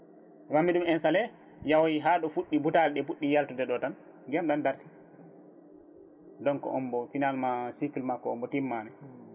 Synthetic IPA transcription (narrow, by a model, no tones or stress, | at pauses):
wamːiɗumɛnsalɛ | jawjiɦaɗɔfuɗːibutalɗɛfuɗːijaltɔdɛɗɔtan | ɡɛmɗandaɾti̥ | dɔnkɔ̰ʔɔmbɔfinalmasikilmakːɔːmbɔtimːanɛ